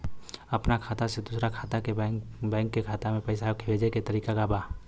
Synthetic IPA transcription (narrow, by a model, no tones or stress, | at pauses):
ɐpnakʰaːt̪ased̪uːsɾakʰaːt̪akebɛ̃ːŋkːekʰaːt̪amẽpəɪsakʰɪweːd͡ʒeket̪əɾiːkaɡaːbaː